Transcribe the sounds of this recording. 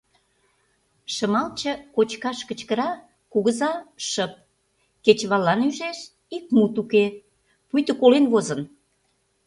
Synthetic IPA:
ʃə̆mɑlt͡ɕə̆kot͡ɕkɑʃkə̆t͡ɕkə̆ɾɑ | kuɣəzɑʃəp̚ | ket͡ɕβɑlːɑnyʒeʃ | ik̚mut̪uke | pujt̪ə̆kolenβozən

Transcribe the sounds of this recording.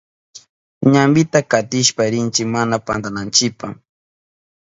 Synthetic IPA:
ɲambɪt̪akat̪ɪʃpaɾɪnt͡ʃɪkmanapant̪anant͡ʃɪpa

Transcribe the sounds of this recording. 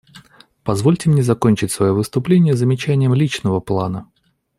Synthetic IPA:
pɐzvolʲtʲɪmnʲezɐkonʲt͡ɕɪtʲsvɐjovɨst̪ʊplʲenʲɪjəzəmʲɪt͡ɕænʲɪjəmlʲit͡ɕnəvəplˠanə

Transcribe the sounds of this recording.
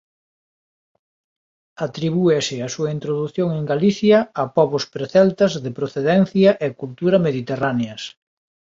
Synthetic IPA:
at̪ɾiβuesɪasuɐint̪ɾoðuθjoŋeŋɡaliθjɐapɔβospɾeθɛlt̪ɐzðepɾoθeðɛn̟θjɐʔekult̪uɾɐmeðit̪eraneɐs

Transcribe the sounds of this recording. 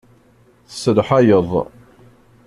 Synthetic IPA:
θə̥sːəlħajəðˤ

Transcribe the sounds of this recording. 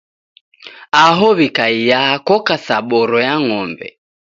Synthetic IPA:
aɦɔβikaijakɔkasaɓɔɾɔjaŋɔmbɛ̰

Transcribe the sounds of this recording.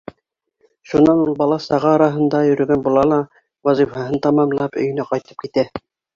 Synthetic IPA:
ʃunɑnulˠbɑlˠɑsɑʁɑːɾɑɦɤ̆nd̪ɑjɵ̆ɾɵ̆ɡænbulˠɑlˠɑ | wɑzifɑɦɤnt̪ɑmɑmlˠɑpɵ̰̆jɘ̆næqɑjt̪ɤ̥p̚kit̪æ

